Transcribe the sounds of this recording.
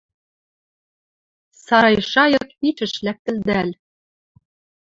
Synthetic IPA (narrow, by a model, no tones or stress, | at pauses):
sɑɾɑjʃɑjɤ̆k̚pit͡ʃɘ̆ʃlæk̚t̪ɘ̆ld̪æl